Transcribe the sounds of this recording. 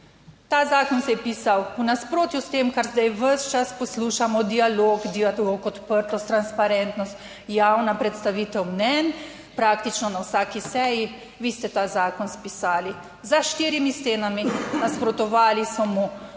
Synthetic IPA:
t̪aːzaːkɔnsɛjɛpiːsawwnaspɾoːt̪just̪eːmkaɾzd̪ajʋəʃt͡ʃaspɔsluːʃamɔd̪ialoːkd̪iaokɔt̪pəɾt̪ɔst̪ɾanspaɾɛnt̪nɔst̪ | jawnapɾɛt̪st̪aʋiːt̪ɛwmnɛn | pɾaːkt̪it͡ʃnɔnawsaːkisɛji | ʋiːst̪ɛt̪aːzaːkɔnspisaːli | zaʃt̪iːɾimist̪eːnaminaspɾɔt̪ɔʋaːlisɔmu

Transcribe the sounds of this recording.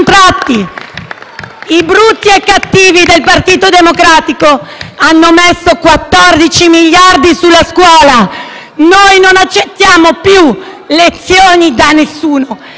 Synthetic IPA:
nt̪ɾat̪ːi | ibɾut̪ːiɛkːat̪ːiːvid̪elpart̪iːt̪od̪emokɾaːt̪ikoanːomesːokwat̪ːɔrd̪it͡ʃimiʎːard̪isulːaskwɔːla | nojnonat͡ʃːet̪ːjaːmopju | let̪sːjoːnid̪anesːuːno

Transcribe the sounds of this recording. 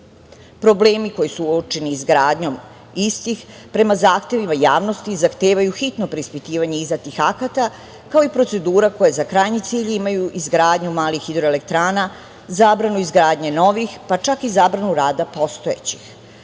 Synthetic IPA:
pɾo̞ble̞ːmiko̞jisuot͡ʃeniːzɡɾaːd̪ɲo̞m | ist̪ix | pɾe̞mazaːxt̪e̞ʋimajaːʋno̞st̪izaxt̪e̞ːʋajuxit̪no̞pɾeispit̪iːʋaɲeizd̪at̪ixakat̪a | kao̞ipɾo̞t̪se̞d̪uːɾako̞jezakɾajɲit̪siːʎimajuʔizɡɾaːd̪ɲumaːlixid̪ɾo̞elek̚t̪ɾaːna | zaːbɾanuizɡɾaːd̪ɲeno̞ʋixpat͡ʃakizaːbɾanuɾaːd̪apo̞st̪o̞ḛt͡ɕi̥x

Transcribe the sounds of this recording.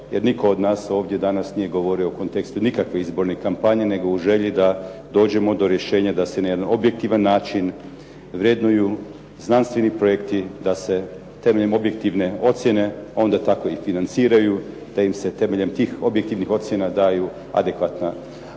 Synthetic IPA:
je̞ɾniko̞od̪naːso̞ːʋd̪je̞d̪anasnije̞ɡo̞ʋo̞ɾio̞uko̞nt̪ekst̪unikakʋe̞izbo̞ɾne̞kampaɲene̞ɡouʒe̞ʎid̪ad̪o̞ːd͡ʑe̞mo̞d̪oɾje̞ʃe̞ːɲad̪ase̞naje̞d̪ano̞bjek̚t̪iʋanːaːt͡ʃin | ʋɾje̞d̪nuju | znanst̪ʋe̞nipɾo̞jekt̪id̪ase̞ | t̪e̞meʎemobje̞k̚t̪iʋne̞o̞t̪sje̞ne̞ao̞nd̪at̪ako̞ifinant̪siːɾaju | d̪̥aimse̞t̪e̞me̞ʎe̞mt̪iːxobjek̚t̪iʋnixo̞t̪sʲje̞nad̪aːju | a̰d̪e̞kʋat̪na

